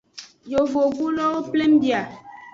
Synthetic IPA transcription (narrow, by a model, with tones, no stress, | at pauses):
jo˨vo˨vu˦lɔ˦o˦ple˦mbja˨